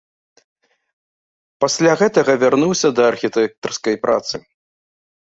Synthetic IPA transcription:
pasʲlʲaɣɛt̪ɐɣɐvʲarnuwsʲɐd̪ɐːrxʲit̪ɛk̚t̪ɐrskɐjpɾʔa̰t̪sɨ

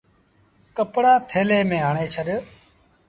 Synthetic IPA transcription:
kəpɽaːt̪ʰeːleːmẽːɦaːɳeːt͡ʃʰəɗ

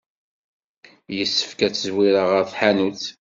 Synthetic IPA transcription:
jəsːə̥fkæt͡sːəzwiɾəʁəɾθħanuθ

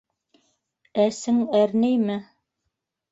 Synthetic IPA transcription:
æsɘŋæɾnæjmɘ

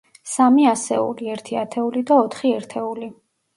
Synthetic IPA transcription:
samiasɛ̰ṵliɛɾt̪ʰiat̪ʰɛulid̪aɔt̪ʰχiɛɾt̪ʰɛuli

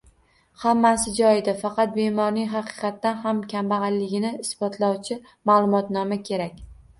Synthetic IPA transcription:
hamːasɪd͡ʒɒjɪd̪afɑqɑt̪̚be̞mɒɾnɪŋɦɑqʰɨ̥qɑt̪ːanhamkʲʰambaʁɑllɪɡʲɪnɪɪsbɒt̪ʰlawt͡ʃʰɪ | maːlˠʊmɒt̪nɒmakʲʰe̞ɾakʲ

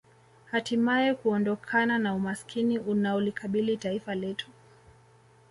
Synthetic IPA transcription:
hatimaɛkuɔndɔkʰananaumaskʰiniʔunaɔlikʰaɓilitaifalɛtu̥

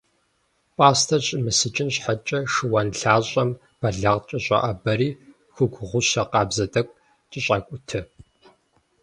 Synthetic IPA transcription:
pʼaːstʰɐɕʼɪmɨsɨt͡ʃʼɪnɕħat͡ʃʼɐʂɨwɐnɬaːɕʼɐm | b̥ɐɮɐʁt͡ʃʼɐɕʼɐ̰ʔɐbɐɾiː | xʷʊɡʷʊʁʷʊɕɐqɑːbzɐtʼɐkʷʼ | t͡ʃʼɪɕʼɐkʷʼʊtʰɨ

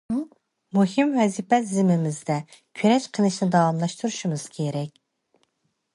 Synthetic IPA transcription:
muhɨmwɛzipɛzɪmɪmɪzd̪ɛ | kʲʰøɾɛʃqʰəlˠɨʃnɪd̪ɑwɑmlˠɑʃt̪ʰuɾuʃumɨz̥kʲʰeɾɛkʲ

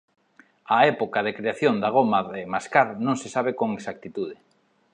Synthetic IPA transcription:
aɛpokað̞ekɾeaθjond̪aɣ̞omaðemaskaɾnõŋsesaβ̞ekoŋeksak̚t̪it̪uðe

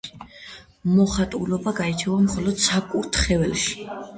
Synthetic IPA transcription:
mɔχat̪ʼulɔbaɡait͡ʃʰɛvamχɔlɔd̪̥sakʼuɾt̪ʰχɛvɛlˠʃi̥

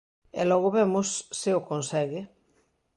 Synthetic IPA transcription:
ḛlɔɣ̞oβemʊsːeokonsɛɣe

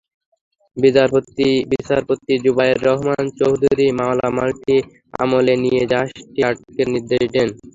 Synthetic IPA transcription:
biaɾbit͡ɕaɾpot̪ːid͡ʑubajeɾːɔɦmant͡ɕoɦd̪ʱuɾimalamalʈʰi | a̰molenijed͡ʑaʃʈiaʈokeɾniɾd̪eʃd̪en

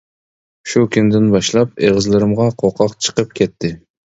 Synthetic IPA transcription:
ʃukʲʰynd̪ɪnbɑʃlˠɑp̚eʁəzlˠɪɾɪmʁɑqʰoqʰɑqt͡ʃʰə̥qəp̚kʲʰɛt̪ʰːɪ

